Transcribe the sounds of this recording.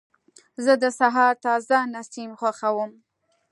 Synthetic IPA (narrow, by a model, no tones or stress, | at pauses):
zəd̪əsaɦɑɾt̪ɑzanasimxwaxawəm